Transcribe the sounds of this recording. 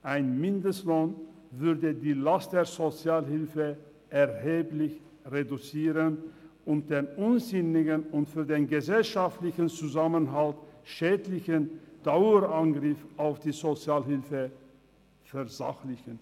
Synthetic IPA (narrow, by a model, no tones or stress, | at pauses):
ʔaɪnmɪndəstloːn | vʏɐdədiːlastd̥eːɐzot͡sjaːlɦɪlfə | ʔɛʁheːplɪç | ʁedut͡siːʁənʔʊnt̚d̥eːnʊnzɪnɪɡənʊntfyːɐdeːnɡəzɛlʃaftlɪçən̩t͡suzamənɦaltʃɛːdlɪçənd̥aʊəʁʔanɡʁɪfʔaʊfd̥iːzot͡sjaːlɦɪlfə | fɛɐza̰xlɪçən